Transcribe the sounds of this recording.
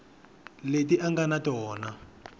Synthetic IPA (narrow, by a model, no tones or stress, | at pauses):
let̬iʔaŋɡanatɔːna